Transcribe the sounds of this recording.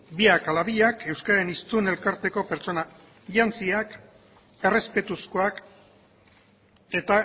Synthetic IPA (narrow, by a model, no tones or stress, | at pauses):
biakalaβiʎake̞wskaɾenist̪une̞lkaɾt̪e̞ko̞peɾt͡ʃo̞na | ʎant͡siak | e̞re̞spe̞t̪uskoak | e̞t̪a